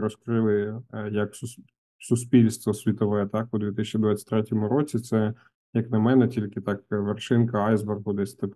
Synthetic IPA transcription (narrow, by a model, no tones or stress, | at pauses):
ɾɔskɾɪlˠɪjɐksʊ | sʊsʲpʲilʲst̪ʋɔsʲʋʲit̪ɔʋɛt̪ɑk̚ɔd̪ʋʲit̪ɪsʲt͡ʃɪd̪ʋatʲt͡sʲɪ̥tʲt̪ɾɛtʲɔmʊɾot͡sʲit̪sɛ | jɐknɐmɛnɛtʲilʲkɪt̪ɑkʋerʃɪnkɐɑjzbɛrɦʊd̪ɛsʲt̪ɐk